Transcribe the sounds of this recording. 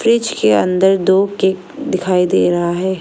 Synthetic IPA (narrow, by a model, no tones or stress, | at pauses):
fɾɪt͡ʃkeɐ̰̃nd̪əɾd̪oːkeːk | d̪ɪkʰaːid̪eːɾɐɦaɦɛː